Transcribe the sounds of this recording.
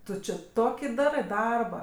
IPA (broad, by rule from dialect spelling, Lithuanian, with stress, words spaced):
ˈtʊ t͡ʃʲɪ ˈtoːkʲɪ ˈdɑːrɜ ˈdɐrbɐ